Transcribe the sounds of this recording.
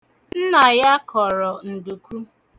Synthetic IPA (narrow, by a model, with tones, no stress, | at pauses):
n̩˦na˨ja˦kʰɔ˨ɾɔ˨n̩˨du˨kʷu˦